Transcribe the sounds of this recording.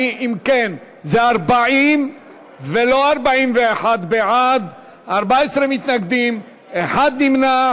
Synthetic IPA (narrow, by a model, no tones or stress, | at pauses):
ʔimken | zeaɾbaʕim | velo̞aɾbaʕimveeħad̪beʕad̪ | aɾbaesɾemit̪naɡd̪im | eħad̪nimna